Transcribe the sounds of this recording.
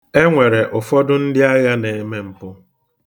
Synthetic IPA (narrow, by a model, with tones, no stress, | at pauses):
e˦ŋʷe˨ɾe˨ʔʊ˨fɔ˦dʊ˦n̩˦dɪ˦a˦ɣa˦ne˨e˨me˦m̩˨pʊ˦